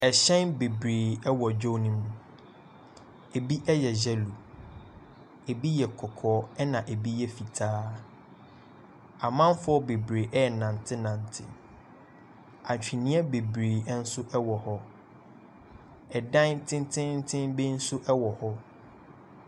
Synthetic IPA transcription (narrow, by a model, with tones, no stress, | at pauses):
ɛ˨ɕɛ̃˦nbe˨bɾeː˨ɛ˦wɔ˨d͡ʑᶣɔ˦nĩ˦mũ˦ | e˨bi˦ʔɛ˦jɛ˨d͡ʑɛ˦lu˨ | e˨bi˦jɛ˨kʰɔ˨kʰɔː˨˦ɛ˦nã˨ʔe˨bi˦jɛ˦fi˨tʰaː˦ | a˨mã˦m˦fʊ˦ɔ˦be˨bɾe˨ʔɛ˦ɛ˨nã˨n˨tʰɪ˦nã˨n˨tʰɪ̰˦ | a˨ɲ˨t͡ɕᶣi˨nĩ˦ɛ˦be˨bɾeː˨˦n̩˦sʊ˦ʔɛ˦wɔ˨hɔ˦ | ɛ˨dã˦tʰɪ̃˦n˦tʰɪ̃˦nn̩˦tʰɪ̃˦mbe˦n̩˦sʊ˦ʔɛ˦wɔ˨hɔ˦